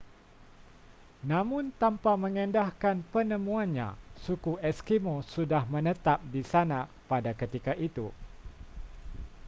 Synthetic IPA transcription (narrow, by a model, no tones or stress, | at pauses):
nãmʊ̃nt̪ampamə̃ŋɛ̃ndahkanpənə̃mũanɲã̰sukuɛskimõsudahmə̃nət̪ap̚disanã | padakət̪ikaʔit̪u